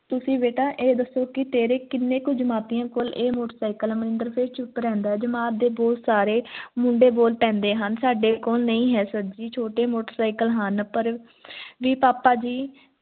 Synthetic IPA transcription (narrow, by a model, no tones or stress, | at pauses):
t̪ʊsĩːbeːʈaːʔeːd̪əsːoːkɪt̪eːɾeːkɪnːẽːkʊt͡ʃd͡ʒmaːt̪ijãːkoːleːmoːʈəɾsaːikəlɛːməɾɪ̃nd̪əɾpʰeːɾt͡ʃʰʊpːɾɛ̃ːnd̪aːɛːd͡ʒəmaːt̚d̪eːbɔːt̪saːɾeːmʊɳɖeːboːlpɛ̃ːnd̪eːɦənsaːɖeːkoːlnəĩːɦɛːsəd͡ʒiːt͡ʃʰoːʈeːmoːʈəɾsaːikəlɦənpəɾ | ʋiːpaːpaːd͡ʒiː